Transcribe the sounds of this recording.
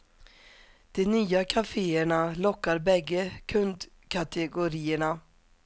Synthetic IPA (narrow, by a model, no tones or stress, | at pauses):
d̪̥ɛnyːakʰafeːəɳalɔkːaɾbɛɡːəkʰɵnd̪ | kʰat̪ʰɛɡʊɾiːəɳa